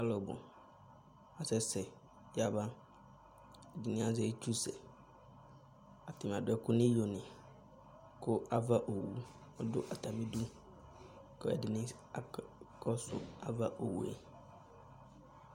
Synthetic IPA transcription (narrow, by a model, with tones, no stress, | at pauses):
a˦lɔ˨bʊ̰˨ | a˨sɛ˦sɛ˨ | ja˨ba˦ | ɛ˨dɪ˨nɪ̃˦a˨zɛ˦t͡ʃʰu˦sɛ̰˨ | a˨tʰɪ˨m˨a˨dʊ˦ɛ˦kʰʊ˦nɪ̃˦jo˨nɪ̃˨ | kʰʊ˦ʔa˦va˦ʔo˨wṵ˨ | ɔ˦dʊ̰˦ʔa˨tʰa˨mɪ̃˦du˦ | kɔ˦ɛ̰˨dɪ˨nɪ̃˦ | a˨kʰɔ˦sʊ̰˨a˨va˦ʔo˨wṵ˨ɛ̰˨˦